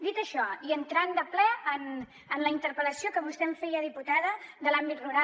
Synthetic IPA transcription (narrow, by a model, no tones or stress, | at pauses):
d̪it̪əʃɔiənt̪ɾand̪əplɛən | ənləint̪əɾpələsiokəβust̪ɛɱfɛjəðiput̪aðəðəlambit̪ruɾa